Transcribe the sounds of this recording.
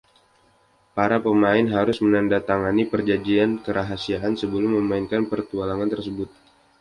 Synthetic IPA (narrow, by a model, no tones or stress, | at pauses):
paɾapəmaɪnɦaɾʊsmənandat̪aŋanipərd͡ʒad͡ʒiankəɾaɦasiaʔansəbəlʊmːəmaɪnkanpərt̪ualaŋant̪ərsəbʊt̪̚